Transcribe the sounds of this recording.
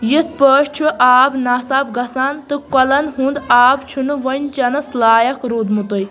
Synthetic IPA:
jit̪̚ʰpəːʃt͡ʃʰuʔaːbnaːsaːbɡɐsaːnt̪ɨkɐlɐnɦũnd̪aːbt͡ʃʰunɨʋɐnʲt͡ʃɐnɐslaːjɐkɾuːd̪mut̪uj

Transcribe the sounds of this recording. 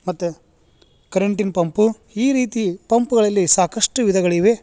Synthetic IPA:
mɐt̪ːu | kɐɾɐɳʈinpɐmpu | iːɾiːt̪ipɐmpuɡɐɭɐlːisaːkɐʂʈuʋid̪ʱɐɡɐɭiʋe

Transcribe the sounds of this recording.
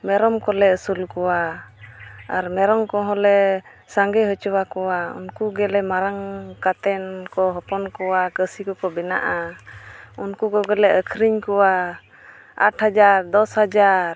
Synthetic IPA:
mɛɾɔmkɔlɛəsulkɔwa | aɾmɛɾɔmkɔ̃ɦɔlɛ | saŋɡɛɦət͡ʃɔwakɔwaṵnkuɡɛlɛmaɾaŋkat̪ɛnkɔɦɔpɔnkɔwakəsikɔkɔbɛna̰ʔa | unkukɔɡɛlɛəkʰɾiɲkɔwa | a̰ʈhad͡ʒaɾd̪ɔshad͡ʒaɾ

